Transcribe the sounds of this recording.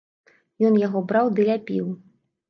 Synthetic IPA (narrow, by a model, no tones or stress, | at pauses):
jɔnjaɣɔbɾawd̪ɨlʲapʲḭw